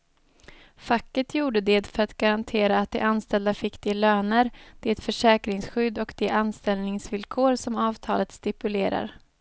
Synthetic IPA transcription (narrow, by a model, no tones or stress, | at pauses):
fakːət̪ʰjuːɖəd̪ed̪fœɾat̪ɡ̥aɾant̪ʰeːɾaːt̪̚d̪ɛ̰ʔanst̪ɛld̪afɪkt̪ɪəløːnəɾd̪̥ɛt̪fœʂɛːkɾɪŋsɧʏd̪ɔkd̪̥ɛʔanst̪ɛlnɪŋsvɪlkʰoːɾsɔmɑːvt̪ʰɑ̰ːlət̪st̪ɪpɵleːɾa̰ɾ